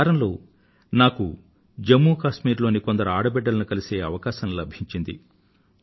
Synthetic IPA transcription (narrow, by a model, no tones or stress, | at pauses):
ɾɐmlo̞ː | naːku | d͡ʒemːuːkaːʃmiːɾlo̞ːniko̞nd̪ɐɾuaːɽɐbɛɖːɐlɐnukɐlise̞ːɐʋɐkaːʃɐmlɐbʱiɲt͡ʃind̪ḭ